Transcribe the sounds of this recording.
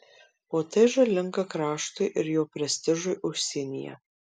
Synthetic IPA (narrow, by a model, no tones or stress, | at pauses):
oːt̪ʰeʒɐlʲɪŋkɐkrɑːʂt̪ʊjʔɪrjoːpʲɾʲɛsʲt̪ʲɪʒʊjʔʊsʲiːnʲḭjɛ̰